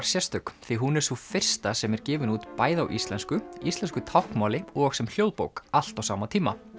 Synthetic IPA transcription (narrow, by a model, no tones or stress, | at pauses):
ɾ̥sjɛst̪ʏkθiɦunɛɾ̥sufɪr̥st̪asɛmɛɾcɛːvɪnuːt̪paːjðawʔist̪lɛnskʏist̪lɛnskʏt̪ʰawhkmaːwlɪɔɣsɛml̥jowðpo̰wkal̥t̪awsaːmat̪ʰiːma